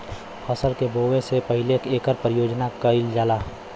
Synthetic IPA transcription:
hɔsəlkeboːʋẽsepəɦɪlekeːkəɾpəɾɪjoːd͡ʒnakəɪld͡ʒaːlaː

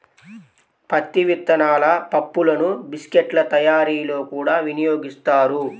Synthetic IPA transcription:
pɐt̪ːiʋit̪ːɐnaːlɐpɐpːulɐnubiskeʈlɐt̪ɐjaːɾiːlo̞ːkuːɽaːʋinijo̞ːɡist̪aːɾu

